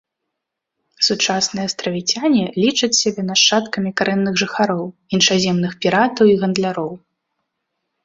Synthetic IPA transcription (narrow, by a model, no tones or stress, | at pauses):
sut͡ʂasnɨjɐst̪ɾɐvʲit͡sʲanʲɛlʲit͡ʂɐt͡sʲsʲabʲɛnaʂt͡ʂat̪kɐmʲikaɾʔɛnːɨɣʐɨxaɾɔwinʂazʲɛmnɨxpʲiɾat̪ɐwiɣɐnd̪lʲaɾɔw